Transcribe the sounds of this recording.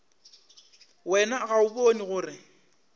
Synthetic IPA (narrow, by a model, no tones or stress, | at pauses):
wɛnaɣaʊponiɣʊːrɪ